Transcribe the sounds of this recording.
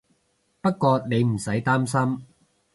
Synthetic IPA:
pɐ˥t̚kːɔː˧ne˨˧jm̩˨˩sɐ˨˥jt̪aː˥msɐ˥m

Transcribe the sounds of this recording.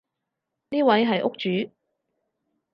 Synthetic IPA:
niː˥wɐ˨˥jɦɐ˨jʔʊ˥k̚t͡ʃyː˨˥

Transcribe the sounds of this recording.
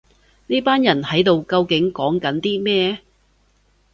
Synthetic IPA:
ni˥paː˥njɐ˨˩nhɐ˨˥jt̪o˨wkɐ˧wkɪ˨˥ŋkɔː˨˥ŋkɐ˨˥nt̪iː˥mɛː˥

